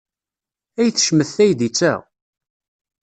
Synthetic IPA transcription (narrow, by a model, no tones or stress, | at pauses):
æjθə̥ʃməθːæjd̪it͡sːæ̰